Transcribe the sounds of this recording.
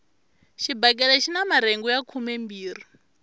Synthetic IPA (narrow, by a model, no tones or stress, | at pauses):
ʃibak̬ʼɛɺaʃinamaɾɛŋɡujakʰumɛmbiːɾi